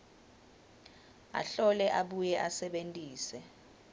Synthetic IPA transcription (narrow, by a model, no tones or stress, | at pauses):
a̰ɬɔlɛʔaɓujɛʔasɛɓentʼiːsɛ